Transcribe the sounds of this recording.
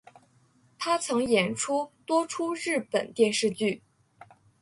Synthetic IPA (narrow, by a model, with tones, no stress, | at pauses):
t̪ʰa˥t͡sʰɤ˧˥ŋjɛ˨˧˩nʈ͡ʂʰu˥t̪wɔ˥ʈ͡ʂʰu˥ɻɻ̩˥˩pə̰˨˩nt̪jɛ˥˧nʂɻ̩˥˧t͡ɕy˥˩